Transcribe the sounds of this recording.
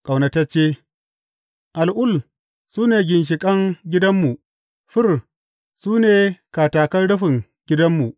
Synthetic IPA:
kʼa˨wnɐ˨tɐ˦t͡ʃːeː˦ | ʔa˨lʔʊ˦˨l | suː˦neː˨ɡʲɪ˨nʃ̬ɪ˨kʼɐ˦ŋɡʲɪ˦dɐ˦mːu˨ | ɸɪ˦r | suː˦neː˨kaː˨taː˨kɐ˦nɽʊ˦ɸɪ˨ŋ | ɡ̥ʲɪ˦dɐ˦mːu˨ʔ

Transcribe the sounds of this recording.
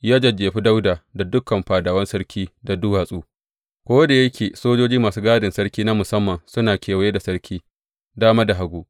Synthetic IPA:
jaː˦d͡ʒɐ˨d͡ʒeː˨ɸi˦da˦wdaː˨da˨dʊ˦kːɐ˨mɸaː˨daː˨wɐ˦nsɐ˦ɽkʲʰiː˦da˨dʊ˦waː˨sʼuː˦ | kʷoː˦wɐ˦da˨jɐ˦kʲeː˨soː˦d͡ʒoː˦d͡ʒiː˦maː˨suː˦ɡaː˦dɪ˨nsɐ˦ɽkʲiː˦na˦mʊ˨sɐ˦mːɐ˨nsʊ˦naː˨kʲʰeː˨wɐ˦je˦da˨sɐ˦ɽkʲʰiː˦ | daː˦maː˦da˨ɦa˦ɡʷuː˦ʔ

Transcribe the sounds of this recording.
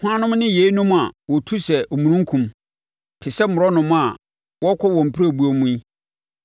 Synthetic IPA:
hʷʊ˦ã˦nʊ̃˦mnɪ̃˦je˨˦i˦nʊ̃˦ma˨wɔ˨tʰu˦sɛ˨ʔo˨mũ˨nũ˦ŋ˦kʰũ˨m | tʰɪ˨sɛ˦mʊ̃˨ɾɔ˦nʊ̃˨m˦a˨ | wɔ˦kʰɔ˦wɔ̃˨m̩˨pʰi˦ɾa˦˨bu˨˦o˦mũ˦i˦

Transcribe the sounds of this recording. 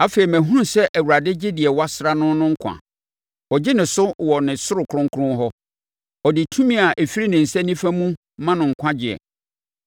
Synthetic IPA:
a˦fe˨i˨mæ̃˨ɦũ˦n˨sɛ˦ʔæ˨wu˨ɾa˨dɪ˦d͡ʑɪ˦dɪ˨ɛ˨wa˦sɾa˦nʊ̃˦nʊ̃˦ŋ̩˦kʷʰã̰˨ | ɔ˨d͡ʑɪ˦nɪ̃˨sʊ˦wɔ˨nɪ̃˨sʊ˦ɾʊ˨kʰʊ˨ɾʊ̃˦ŋ˦kʰʊ˦ʊ̃˦ɦɔ˦ | ɔ˨dɪ˨tʰũ˦mĩ˦a˨ʔe˨fi˦ɾi˦nɪ̃˨n̩˨sɛ˦nĩ˦fæ˦mũ˦ | mã˦nʊ̃˨ŋ̩˨kʷʰã˦d͡ʑɪ˨ɛ̰˨

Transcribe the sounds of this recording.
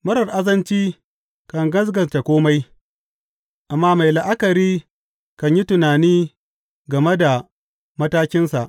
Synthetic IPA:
mɐ˦ɾɐ˨rʔa˦zɐ˦nt͡ʃiː˦ | kɐ˨ŋɡɐ˦s̬ɡɐ˨nta˨kʷoː˦ma˦j | ʔa˨mːaː˦ma˨jla˨ʔa˦kɐ˨ɾiː˦ | kɐ˨ɲji˦tʊ˨naː˨niː˦ | ɡɐ˨me˦da˨ | mɐ˦taː˦kʲɪ˦nsa˨ʔ

